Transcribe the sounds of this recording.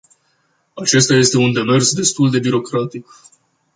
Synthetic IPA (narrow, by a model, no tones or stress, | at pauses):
at͡ʃe̞st̪aje̞st̪e̞und̪e̞me̞rsd̪e̞st̪uld̪e̞biɾo̞kɾat̪ik